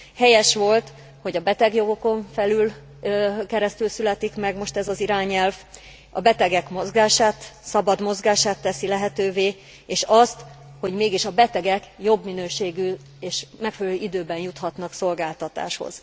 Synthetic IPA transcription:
hɛjɛʃʋo̞lt̪ | ho̞ɟɒbɛt̪ɛɡjo̞ɡo̞ko̞ɱfɛlyl | kɛɾɛst̪ylsylɛt̪ikmɛɡmo̞ʃt̪ɛzɒziɾaːɲɛlv | ɒ̰bɛt̪ɛɡɛkmo̞zɡaːʃaːt̪sɒbɒd̪mo̞zɡaːʃaːt̪ːɛsilɛɦɛt̪øːveː | eːʃɒst̪ho̞ɟmeːɡiʃɒbɛt̪ɛɡɛkjo̞bminøːʃeːɡy | eːʃmɛkfɛlɛløːʔid̪øːbɛnjut̪hɒt̪nɒkso̞lɡaːlt̪ɒt̪a̰ːʃho̰z̥

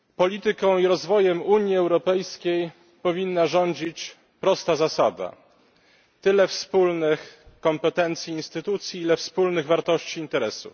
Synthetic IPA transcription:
pɔlʲit̪ɘkɔ̃w̃iɾɔzvɔjɛmuɲiɛwɾɔpɛjskʲej | pɔvʲinːaʐɔɲd͡ʑit͡ɕ | pɾɔst̪azasad̪a̰ | t̪ɘlɛfspulnɘxkɔmpɛt̪ɛnt̪sʲjiinst̪ɘt̪ut̪sʲjiilɛfspulnɘɣvaɾt̪ɔɕt͡ɕiːnt̪ɛɾɛsṵf

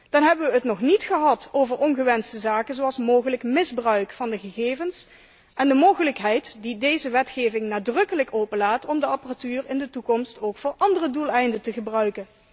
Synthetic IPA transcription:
d̥ɑnɦɛbəʋəətnɔχnitχəɦɑtowvəɹʔɔnɣəʋɛnstəzaːkənzoɑlˠsmoːwχələkmɪzbrœɥkfɑndəχəɣeːvəns | ʔɛndəmoːχələkɦɛjtdidejzəʋɛtχejvɪŋnaːdrɵkələkowpəlaːtɔmdəɑpəratyːrɪndətukɔmstowkfʊːɹʔɑndərədulˠɛjndətəχəbrœɥkən

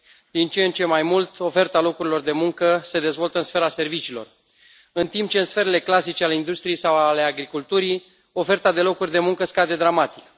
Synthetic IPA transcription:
d̪̥int͡ʃeent͡ʃe̞majmult̪o̞fe̞rt̪alo̞kuɾilo̞rd̪e̞muŋkəse̞d̪e̞zvo̞lt̪əɨnsfe̞ɾase̞rvit͡ʃiːlo̞̰r | ɨnt̪imp̚t͡ʃe̞ɨnsfe̞ɾe̞le̞klasit͡ʃeale̞ind̪ust̪ɾije̞jsawale̞aɡɾikult̪uɾi | o̞fe̞rt̪ad̪e̞lo̞kurʲd̪e̞muŋkəskad̪e̞d̪ɾamat̪ik

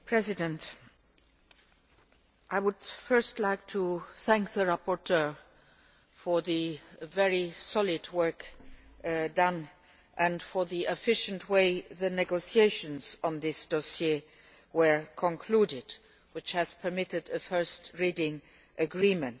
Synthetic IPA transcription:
pʰɹ̥ɛzɪdə̃nt | ʔaɪwəd̥fɜ˞stlaɪk̚tʰuθæ̃ŋk̚ðəɹapɔɹtʰɜ˞ | fə˞ðɨvɛɹisɔlɪdwɜ˞k | dʌ̃n | ʔɨ̃nfəðiɪfɪʃə̃ntʰweɪðɨnɛɡosieɪʃə̃nz̥ə̃nðɪsd̥ɔsje | wə˞kʰə̃nkʰl̥udɪd̥ | wɪt͡ʃhɨz̥pʰə˞mɪɾɪdɨfɜ˞stɹidɪ̃ŋ | ʔəɡɹĩmə̃nt

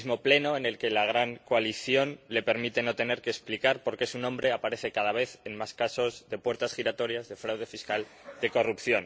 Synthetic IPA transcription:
zmo̞ple̞no̞ene̞lke̞laɣ̞ɾaŋkoaliθjo̞nle̞pe̞ɾmit̪e̞no̞t̪e̞ne̞ɾkeːsplikaɾpo̞ɾke̞sunõmbɾe̞apaɾe̞θe̞kað̞aβ̞e̞θe̞nmaskaso̞zðe̞pwe̞ɾt̪asxiɾat̪o̞ɾjazðe̞fɾawð̞e̞fiskal | d̪e̞ko̞rupθjo̞n

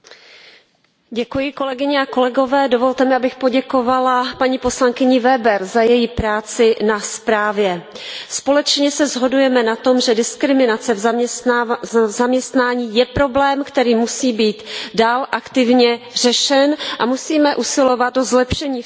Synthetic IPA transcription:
ɟɛkujɪko̞lɛɡɪɲɛako̞lɛɡo̞vɛːdo̞vo̞lt̪ɛmɪabɪxpo̞ɟɛko̞valapaɲiːpo̞slaŋkɪɲɪvɛbɛɾzajɛjipɾaːt͡sɪnaspɾaːvjɛ | spo̞lɛt͡ʃɲɛsɛzɦo̞dujɛmɛnat̪o̞mʒɛdɪskɾɪmɪnat͡sɛv | zamɲɛst̪naːɲiːjɛpɾo̞blɛːmkt̪ɛɾiːmusiːbiːt̪daːlʔakt̪ɪvɲɛr̝ɛʃɛnʔamusiːmɛʔusɪlo̞vat̪̚dozlɛpʃɛɲiː

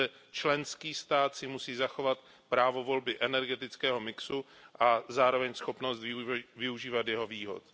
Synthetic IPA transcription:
ɛt͡ʃlɛnskiːst̪aːt̪sɪmusiːzaxo̞vat̪ | pɾaːvo̞vo̞lbɪʔɛnɛɾɡɛt̪ɪt͡skɛːɦo̞mɪksuʔazaːɾo̞vɛɲsxo̞pnost̪vɪvɪuʒiːvat̪jɛɦo̞viːɦo̞̰t̪

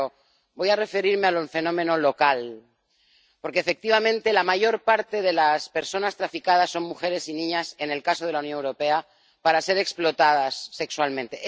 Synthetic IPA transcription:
o | bo̞jare̞fe̞ɾiɾme̞aluɱfe̞nõ̞mẽ̞no̞lo̞kal | po̞ɾkeːfe̞k̚t̪iβ̞amẽnt̪e̞lamaʝo̞ɾpaɾt̪e̞ð̞e̞laspeɾso̞nast̪ɾafikað̞asːo̞ŋmuxe̞ɾe̞sinĩɲase̞ne̞lkaso̞ð̞e̞launjonewɾo̞pe̞a | paɾase̞ɾe̞ksplo̞t̪að̞asːe̞kswalmẽnt̪e̞

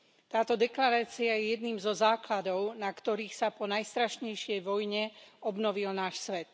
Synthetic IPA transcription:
t̪aːt̪ɔd̪ɛklaɾaːt͡siajɛjɛd̪niːmzɔzaːklad̪ɔʊnakt̪ɔɾiːxsapɔnajst̪ɾaʃɲɛjʃɪɛjʋɔjɲɛɔbnɔʋilnaːʃsʋɛt̪

